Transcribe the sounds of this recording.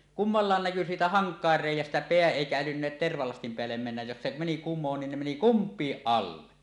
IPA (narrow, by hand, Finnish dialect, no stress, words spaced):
kumːɑlːɑˑen næky siːtæ hɑŋkˑɑˑer reˑijˑæstæ peæ eˑikæ ælynːeːt terʋɑlɑstim peælːem menːæj jos se meni kumːoːn niːn ne meni kumpˑiːʔ ʔɑlːe